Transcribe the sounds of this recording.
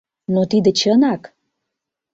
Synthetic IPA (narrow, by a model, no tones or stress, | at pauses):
not̪id̪ə̆t͡ɕənɑk